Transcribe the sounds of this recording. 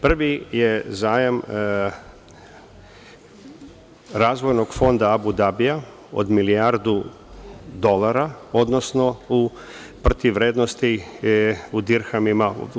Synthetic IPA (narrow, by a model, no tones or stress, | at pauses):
pr̩ʋijezaːjam | ɾaːzʋo̞jno̞ɡfo̞nd̪aːbud̪abija | o̰d̪miliaɾd̪u | d̪o̞laɾaod̪no̞sno̞u | pr̩t̪iʋɾeːd̪nost̪i | ud̪iɾxamima